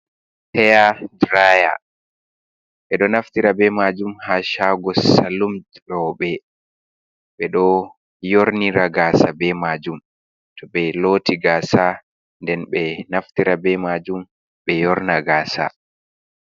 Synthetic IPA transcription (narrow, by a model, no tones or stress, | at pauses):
hɛjadɾaja̰ | ɓɛɗɔnaftiɾabɛmad͡ʒumhaʃaɡɔsalum | ɗɔɓɛ | ɓɛɗɔ | joɾniɾaɡaːsabɛmad͡ʒum | tʰɔɓɛlotiɡaːsa | ndɛnɓɛnaftiɾabɛmad͡ʒum | ɓɛjɔɾnaɡaːsa̰